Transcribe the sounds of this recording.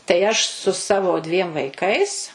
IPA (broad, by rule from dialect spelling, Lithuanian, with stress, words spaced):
tɐɪ ˈɐʃ sʊ ˈsɑːʋoː dʲʋʲiɛm ʋɐɪˈkɐɪs